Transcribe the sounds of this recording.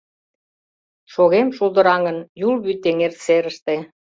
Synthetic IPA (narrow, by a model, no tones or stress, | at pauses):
ʃoɣemʃulˠd̪əɾɑŋənjulβyt̪ːeŋert̪seɾə̆ʃt̪e